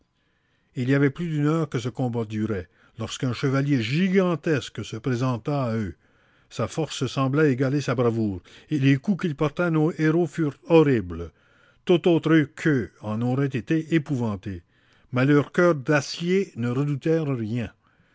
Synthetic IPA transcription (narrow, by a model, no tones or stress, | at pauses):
iliavɛplyd̪ynœːʁkəsəkɔ̃bad̪yʁɛ | lɔʁskɛ̃ʃəvaljeʒiɡɑ̃t̪ɛsksəpʁezɑ̃t̪aːø | safɔʁsəsɑ̃blɛeɡalesabʁavuːʁelekukilpɔʁt̪ɛnoeʁofyːʁt̪ɔʁibl | t̪ot̪ot̪ɾəkʰəɑ̃noʁɛt̪et̪eʔepuvɑ̃t̪e | mɛlœʁkʲœːʁd̪asjenəʁəd̪ut̪ɛːʁʁjɛ̃